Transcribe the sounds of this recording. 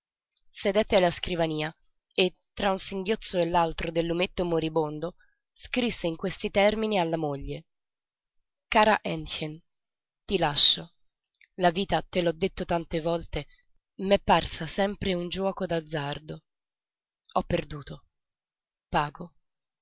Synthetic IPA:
sed̪ɛt̪ːealːaskɾivaniːa | et̪ːɾaunsiŋɡjot̪sːoelːalt̪ɾod̪elːumet̪ːomoɾibond̪o | skɾisːeiŋkwest̪it̪ɛrminialːamoʎːe | kaːɾaʔɛnxen | t̪ilaʃːo | laviːt̪at̪elɔd̪ːet̪ːot̪ant̪evɔlt̪e | mepːarsasɛmpɾeund͡ʒwɔːkod̪ad̪zːard̪o | ɔpːerd̪uːt̪o | paːɡo

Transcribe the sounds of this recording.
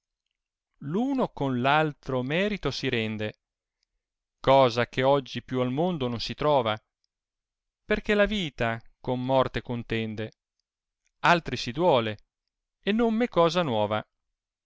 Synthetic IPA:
luːnokonlalt̪ɾomɛːɾit̪osiɾɛnd̪e | kɔːzakeɔd͡ʒːipjualmond̪ononsit̪ɾɔːva | perkelaviːt̪akomːɔrt̪ekont̪ɛnd̪e | alt̪ɾisid̪wɔːle | enːomːekɔːzanwɔːva̰

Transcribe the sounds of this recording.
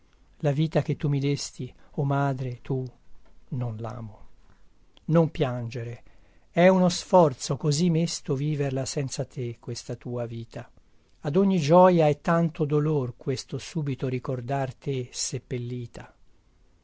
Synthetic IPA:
laviːt̪ak̟et̪ːumid̪est̪iomaːd̪ɾet̪u | nonla̰ːmo | nompjand͡ʒeɾeɛunosfɔrt̪sokozimːest̪oviːverlasɛnt̪sat̪ekwest̪at̪uːaviːt̪ʰa | ad̪oɲːid͡ʒɔːjaɛt̪ːant̪od̪olorkwest̪osuːbit̪oɾikord̪art̪esepːelːiːt̪ʰa

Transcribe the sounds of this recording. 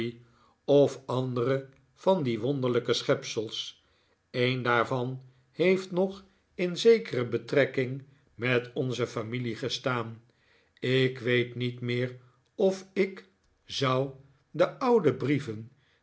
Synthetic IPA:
ɔfɑndərə | v̥ɑndiʋɔndəɹləkəsχɛpsəlˠs | ejndaːɹvɑn | hejftnɔχ | ɪnzejkərəbətrɛkɪŋ | mɛtɔnzəfamiliχəstaːn | ɪkʋejtnitmɪːr | ɔfɪk | zʌw | dəʔʌwdəbrivən

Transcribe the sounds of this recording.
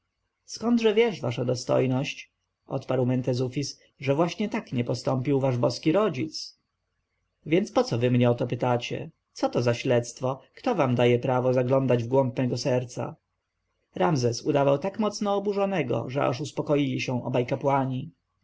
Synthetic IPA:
skɔnd̪ʐɛvʲjɛʂva̰ʂad̪ɔst̪ɔ̰jnɔɕt͡ɕ | ʔɔ̰t̪paɾwmɛnt̪ɛzufʲis | ʐɛvwaɕɲɛt̪akɲɛpɔst̪ɔmpʲiwvaʐbɔskʲiɾɔd͡ʑit̪s | vʲjɛntspɔt̪sɔvɘmɲɛɔt̪ɔpɘt̪at͡ɕɛ̰ | t̪sɔt̪ɔzaɕlɛt̪st̪fɔkt̪ɔvamd̪ajɛpɾavɔzaɡlɔnd̪ad͡ʑvɡwɔmp̚mɛɡɔsɛɾt̪sa̰ | ɾamzɛsud̪avawt̪akmɔt̪snɔːbuʐɔnɛɡɔ̰ʐɛa̰ʂuspɔkɔjilʲiɕɛ̃w̃ʔɔ̰bajkapwaɲi

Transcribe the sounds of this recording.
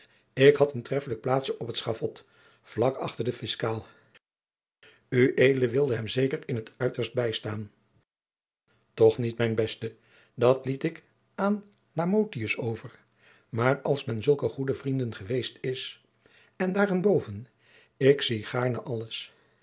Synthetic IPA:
ɪkɦɑtəntrɛfələk̚plaːtsɔpətsχɑvɔt | v̥lɑkɑ̰χtəɹdəfɪskaːlˠ | yʔejdələʋɪlˠdəɦɛmzejkəɹɪnɦətʰœɥtəɹst̚bɛjstaːn | tɔχnitmɛjnbɛstə | dɑtlitɪk | aːn | laːmowtiəsowvəɹ | maːrɑlˠsmɛnzɵlˠkəχudəvrindənχəʋejstɪs | ɛndaːrɪnbowvən | ɪksiχaːɹnəʔɑləs

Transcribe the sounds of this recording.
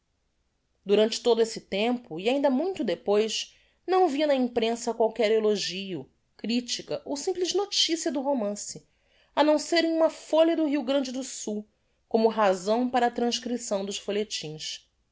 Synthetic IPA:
d̪uɾɐ̃nt͡ʃɪ̥t̪od̪ʊesɪt̪ẽmpʊiaĩnd̪ɐmũj̃t̪ʊd̪epojʃ | nɐ̃w̃viɐnɐĩpɾẽsɐkwawkɛɾeloʒiʊ | kɾit͡ʃikɐʔowsĩmplɪznot͡ʃisiɐd̪ʊɦomɐ̃sɪ | ɐnɐ̃w̃seɾẽj̃ũmɐfoʎɐd̪ʊɦiwɡɾɐ̃nd͡ʒɪd̪ʊsuw | kõmʊɦazɐ̃w̃paɾɐːt̪ɾɐ̃ʃkɾisɐ̃w̃d̪ʊʃfolet͡ʃĩs

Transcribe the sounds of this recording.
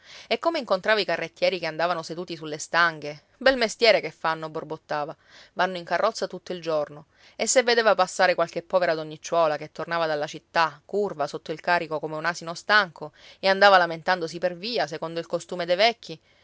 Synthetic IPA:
ekːomeiŋkont̪ɾaːvaikarːet̪ːjɛːɾikeand̪aːvanosed̪uːt̪isulːest̪aŋɡe | bɛlmest̪jɛːɾekefːanːoborbot̪ːaːva | vanːoiŋkarːɔt̪sːat̪ut̪ːoild͡ʒorno | esːevːed̪eːvapasːaːɾekwalkepːɔveɾad̪oɲːit͡ʃːwɔːlaket̪ːornaːvad̪alːat͡ʃit̪ːakːurvasot̪ːoilkaːɾikokomeunasinost̪aŋkʰoeand̪aːvalament̪and̪osiperviːas̬ekond̪oilkost̪uːmed̪ejvɛkʲːi

